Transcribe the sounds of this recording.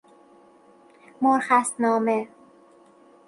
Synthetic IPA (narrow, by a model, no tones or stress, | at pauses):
moɾxæst̪nɒːme